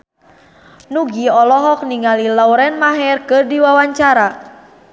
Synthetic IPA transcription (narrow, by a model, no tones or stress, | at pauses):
nuɡiɔlɔɦɔk̚niŋalilawɾɛnmaɦɛrkɨrdiwawaɲt͡ʃaɾa